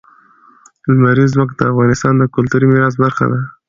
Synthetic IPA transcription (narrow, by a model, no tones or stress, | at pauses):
lmaɾizmək̪̚d̪əafɣɑnɪst̪ɑnd̪əkʊlt̪uɾimɪɾɑs̬baɾxa̰d̪a